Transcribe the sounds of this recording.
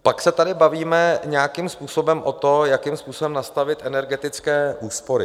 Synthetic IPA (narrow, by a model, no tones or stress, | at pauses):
paksɛt̪adɪbaviːmɛɲɛakimspuːso̞bɛmʔot̪o̞jakimspuːsbɛmnast̪avɪt̪ʔɛnɛɾɡɛt̪ɪt͡skɛːʔuːspo̞ɾɪ